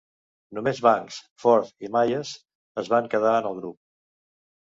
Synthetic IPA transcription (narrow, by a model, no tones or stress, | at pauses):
numezβaŋks | fɔɾt̪imajəs | əzβaŋkəð̞aənəlˠɣɾup̚